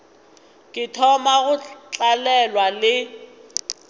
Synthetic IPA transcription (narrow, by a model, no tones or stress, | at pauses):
kʼɪtʰɔmaɣʊt͡ɬʼalɛlwalɪ